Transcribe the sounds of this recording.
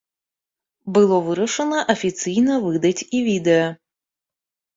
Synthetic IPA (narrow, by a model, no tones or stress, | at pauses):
bɨlˠɔvɨɾɐʂənəʔɐfʲɪt̪sɨjnəvɨd̪ɐtʲivʲid̪əə